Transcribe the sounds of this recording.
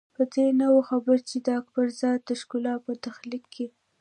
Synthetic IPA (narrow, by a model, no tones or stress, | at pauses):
pəd̪enawaxabəɾt͡ʃed̪əakbaɾzɑt̪d̪əʃkʊlɑpət̪axlikʰːe